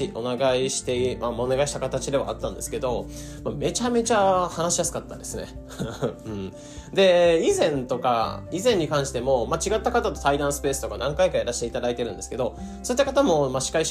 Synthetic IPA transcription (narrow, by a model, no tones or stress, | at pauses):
iʔo̞naɡaiɕi̥t̪e̞imamoneɡaiɕi̥t̪akat̪at͡ɕid̪e̞βa̰ːt̪ːãnd̪e̞sɨ̥ke̞d̪o̞ | mame̞t͡ɕame̞t͡ɕahanaɕijasɨ̥kat̪ːã̰nd̪esɨne̞ | ɯ̟̃ɴ | d̪e̞izẽ̞nt̪o̞ka̰izẽ̞ɲ̟ːikãɰ̃ɕi̥t̪e̞mo̞mat͡ɕiɡat̪ːakat̪at̪o̞̥t̪aid̪ãɰ̃sɨ̥pe̞ːsɨ̥t̪o̞kanãŋkaikaeɾaɕi̥t̪e̞it̪ad̪ait̪e̞ɾɯ̟̃nd̪eske̞d̪o̞ | so̞it̪ːakat̪amo̞maɕi̥kai